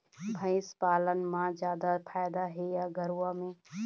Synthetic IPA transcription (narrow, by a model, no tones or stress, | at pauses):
bʱə̃ɪspaːlənmãd͡ʒjaːd̪apʰaːjd̪aɦejaɡəɾuwamẽː